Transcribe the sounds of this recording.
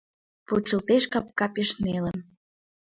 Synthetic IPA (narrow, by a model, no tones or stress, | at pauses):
put͡ɕə̆lt̪eʃkɑp̚kɑpeʃnelə̆n